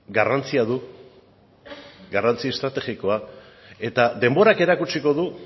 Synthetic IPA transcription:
ɡarant͡siaðu | ɡarant͡sie̞st̪ɾat̪e̞ɣiko̞a | e̞t̪ad̪e̞mbo̞ɾake̞ɾakut͡ʃiko̞ðu

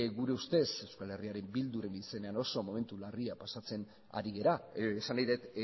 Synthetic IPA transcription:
ɣuɾe̞ust̪e̞se̞wskale̞riaɾe̞mbild̪uɾe̞nise̞ne̞ano̞so̞mo̞me̞nt̪ulariapasat͡se̞n | a̰ɾiɣe̞ɾaːsanːajðet̪

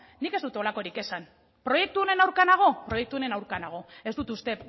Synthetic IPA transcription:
ike̞zd̪ut̪eo̞lako̞ɾike̞san | pɾo̞je̞k̚t̪uo̞ne̞nawɾkanaɣ̞o̞pɾo̞je̞k̚t̪uone̞nawɾkanaɣ̞o̞e̞zd̪ut̪ust̪e̞

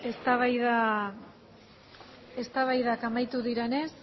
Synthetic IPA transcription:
e̞st̪aβajða | e̞st̪aβajðakamajt̪uðiɾe̞ne̞s

